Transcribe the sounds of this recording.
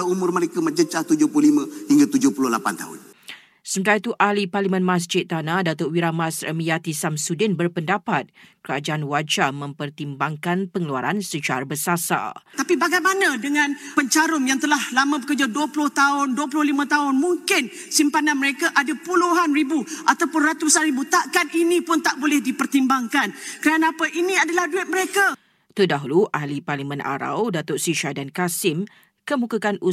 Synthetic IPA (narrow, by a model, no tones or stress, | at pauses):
aumʊrməɾekaməd͡ʒət͡ʃaht̪ud͡ʒʊhplʊlimə̃hiŋɡat̪ud͡ʒʊhpulʊhlapa̰nt̪a̰ɦʊ̰n | səmət̪ait̪uʔaliparlimə̃nmãs̬d͡ʒɪt̪ːanadat̪otwiɾamasɾə̰mijat̪isamsudɪnbərpəndapat̪̚kəɾad͡ʒaanwat͡ʃamə̃mpərt̪imbaŋkanpəŋəlua̰ɾansət͡ʃaɾabəsasa̰t̪apibaɡajmanãdəŋãnpəɲt͡ʃaɾʊmjaŋt̪əlahlamə̃bəkərd͡ʒaduəplʊht̪aʊnduəp̬lʊhlimãt̪aʊnmuŋkɪn | simpananməɾekaʔadapuluɦanribuʔat̪awpʊnrat̪usanɾibut̪aʔkaninĩpʊnt̪aʔbolɛhdipərt̪imbaŋkankəɾanaapaʔinĩadalahduɪt̪̚məɾeka | t̪ədaɦuluʔahliparlimə̃nʔa̰ɾa̰wdat̪ʊʔsiʃadankasɪm | kəmũkakanu